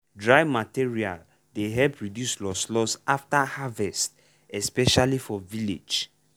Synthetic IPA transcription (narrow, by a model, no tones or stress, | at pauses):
dɹajvmatiɹia̰l | deɦɛlpɹidjuslɔslɔsaftahavɛst̚ | ɛspɛʃalifɔvilḛd͡ʒ